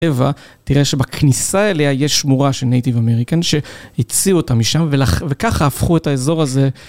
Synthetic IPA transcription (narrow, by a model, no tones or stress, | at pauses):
eva | tiʁe̞ʃe̞bakʰnisaeleaje̞ʃmuʁaʃelnejtivameʁikanʃe̞hit͡siuotamiʃamvelavekaχaafχue̞taezo̞ʁaze̞